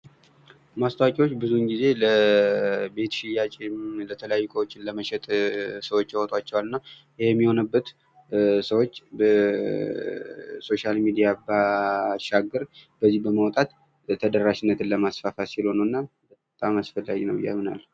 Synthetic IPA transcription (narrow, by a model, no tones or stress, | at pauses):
mast̪ʰəwakʼiwot͡ʃːbɨzunɡize̞lə | be̞t̪ʃɪjat͡ʃʼelət̪ʰələjajːkʰʼəwot͡ʃːɪnləməʃɛt̪ʼsəwo̞t͡ʃːjawɔt̪ʼwat͡ʃːɛwalɨnːa | jjɛmːiho̞nəbːət̪ | səwo̞t͡ʃːbə | so̞ʃalmid̪ijabaʃaɡːəɾb̥əzːihbəmawt̪ʼat̪ʰː | əd̪əɾːaʃɪnːət̪ɨnləmasfafasilho̞nəwɨnːa | bə | t̪ʼamasfəlːaɡinəwɪ̰jːa̰mːɨna̰lː